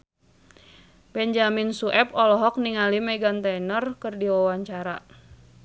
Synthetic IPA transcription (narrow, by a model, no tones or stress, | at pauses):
bɛɲd͡ʒaminsuʔɛpɔlɔɦɔk̚niŋalimɛɡant̪ɛnərkɨrdiwawaɲt͡ʃaɾa̰